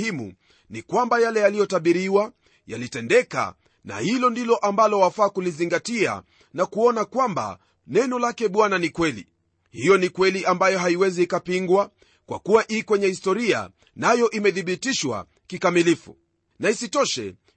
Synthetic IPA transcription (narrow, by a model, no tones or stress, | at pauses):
imṵ | nikwambajalɛjalijɔtaɓiɾiwa | ja̰litɛndɛka̰ | na̰hilɔndilɔʔambalɔwafaːkuliziŋɡatia̰ | nakuɔnakwamba̰ | nɛnɔlakɛɓwananikwɛlḭ | hijɔnikwɛliʔambajɔɦaiwɛziːkapiŋɡwa | kwa̰kuwaʔikwɛɲɛhistɔɾia̰ | najɔʔimɛðiɓitiʃwa̰ | kikamilifṵ | naisitɔʃɛ̰